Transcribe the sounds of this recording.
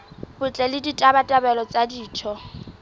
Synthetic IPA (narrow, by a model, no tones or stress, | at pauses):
b̥ʊt͡ɬʼɛlɪditʼabatʼabɛlɔt͡sʼadiːt͡ʃʰɔ